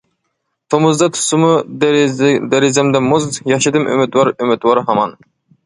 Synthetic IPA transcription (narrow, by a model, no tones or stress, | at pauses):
t̪ʰomʊzd̪ɑt̪ʰu̥sumu | d̪ɛɾizɛmd̪ɛmuzjɑχʃid̪ɨmʔy̰mɪt̪wɑɾymɪt̪wɑɾɦɑmɑn